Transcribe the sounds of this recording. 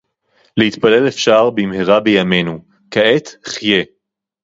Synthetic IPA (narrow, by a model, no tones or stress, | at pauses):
lehit̪pale̞lefʃaʁbimheʁabejame̞nu | kaet̪χje̞